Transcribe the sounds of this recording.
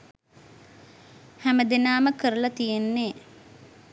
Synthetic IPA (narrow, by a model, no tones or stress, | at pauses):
hæməd̪enaːməkəɾəlɐt̪ijenːeː